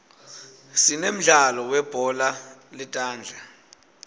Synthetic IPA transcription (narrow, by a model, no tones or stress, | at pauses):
sinem̩ɮalɔwɛb̥ʱɔlalitʼaːnd͡ɮʱa